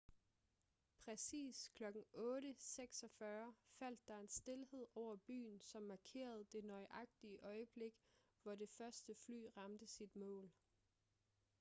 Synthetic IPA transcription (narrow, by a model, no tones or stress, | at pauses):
pʰʁɛsḭːskʰlɒ̽ɡ̥n̩ɔ̽ːɾəseɡ̥sɒ̽fɶɐfæl̰d̥ːɑ̈e̝nsd̥e̝lhe̝ð̞̰ˠɒʊ̰ɐb̥y̰ːn̩sɒ̽mːɑ̈kʰe̝̰ːɐð̞̩ˠd̥e̝nɒ̽ɪʔɑ̈ɡ̥̚d̥iəʔɒ̽ɪəb̥le̝ɡ̥ | ʋɒde̝fɶɐsd̥əfly̰ːʁɑ̈md̥əsid̥mɔ̰̽ːl